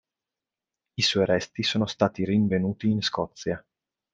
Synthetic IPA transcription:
isɔjɾɛst̪isoːnost̪aːt̪iriɱvenuːt̪iːnskɔt̪sːja

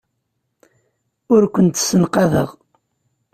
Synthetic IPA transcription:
ʊɾkʷənt̪sənqɑðə̰ʁ

